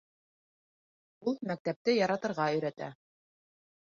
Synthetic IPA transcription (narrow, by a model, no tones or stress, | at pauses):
ulˠmæk̚t̪æp̚t̪ɘjɑɾɑt̪ɤ̆ɾʁɑɵ̆jɾæt̪æ̰